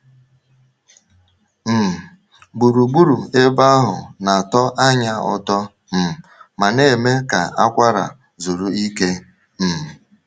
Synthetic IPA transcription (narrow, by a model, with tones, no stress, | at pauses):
m̩˨ | ɡ͡bu˨ɾu˨ɡ͡bu˦ɾu˨e˦ba˦ɦʊ̰˨na˨tɔ˦ʔa˦ɲa˦ʊ̰˨tɔ˦ | m̩˨ma˨ne˦˨me˦ka̰˨a˦kʷa˦ɾa̰˨ | zu˨ɾu˨i˦ke˦ | m̩˨